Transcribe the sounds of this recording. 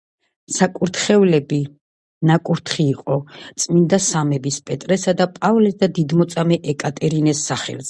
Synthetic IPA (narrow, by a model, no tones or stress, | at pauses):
sakʼuɾt̪ʰχɛvlɛbi | nakʼuɾt̪ʰχiːqʼɔt̪sʼmind̪asamɛbispʼɛt̪ʼɾɛsad̪apʼavlɛsd̪ad̪id̪mɔt̪sʼamɛʔɛkʼat̪ʼɛɾinɛsːaχɛ̰lzɛ